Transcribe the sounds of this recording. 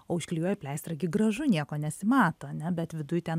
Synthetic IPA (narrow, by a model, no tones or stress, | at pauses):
oːɪʃʲkʲlʲijoːjɛpʲlʲɛɪst̪ɾɐɡʲɪɡɾɐʒʊnʲiɛkoːnʲɛsʲɪmɑːt̪oːɐnʲɛbʲɛt̪ʋʲɪd̪ʊjt̪ʲɛn